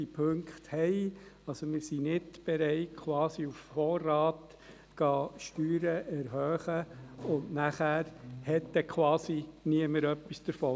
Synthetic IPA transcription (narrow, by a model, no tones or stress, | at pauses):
ipʰɵŋkχt̪hɛɪɑlsomɪɾsinɪdb̥ɛɾɛɪtkʰwɑːsiuffɔːrːɑːt | ɡ̥ɑːʃtyːɾəʔɛɾɦœːχəʊndnæχæːɾhɛtːɛkʰwɑːsiniəməɾœpːisd̥əɾfɔː